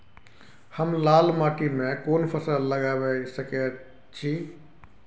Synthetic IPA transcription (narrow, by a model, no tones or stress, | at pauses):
həmlaːlmaːʈimẽkoːnpʰəsəlːəɡabɛsəkɛ | t͡ʃʰi